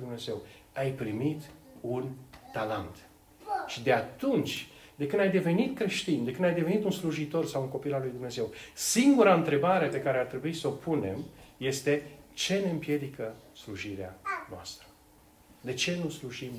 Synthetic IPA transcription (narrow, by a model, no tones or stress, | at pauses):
d̪umne̞ze̞w | ajpɾimit̪unt̪alant̪ | ʃid̪e̞at̪unt͡ʃʲ | d̪e̞kɨnd̪ajd̪e̞ve̞nit̪kɾe̞ʃt̪ind̪e̞kɨnd̪ajd̪e̞ve̞nit̪unsluʒit̪o̞rsawuŋko̞pilalujd̪umne̞ze̞wsiŋɡuɾaɨnt̪ɾe̞baɾe̞pe̞kaɾeart̪ɾe̞buisəopʰune̞mje̞st̪e̞t͡ʃe̞ne̞ɨmpje̞d̪ikəsluʒiɾeanoa̰st̪ɾə | d̪e̞t͡ʃe̞nusluʒim